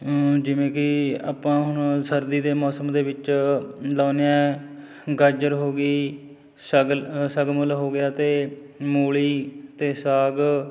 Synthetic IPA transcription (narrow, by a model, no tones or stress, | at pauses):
d͡ʒɪʋẽːkɪa̰ːpãːɦʊnsəɾd̪iːd̪eːmɔːsəmd̪eːʋɪt͡ʃlaːneɛ̃ː | ɡaːd͡ʒəɾɦoːɡiː | səɡsəɡməlɦoːɡɪjaːt̪eː | moːɭiːt̪eːsaːɡ